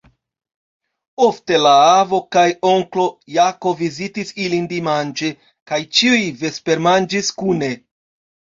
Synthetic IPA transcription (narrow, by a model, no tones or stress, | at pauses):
o̞fte̞laavo̞kajo̞ŋklo̞jako̞vizitisilindimand͡ʒe̞ | kajt͡ʃiujve̞spe̞ɾmand͡ʒiskune̞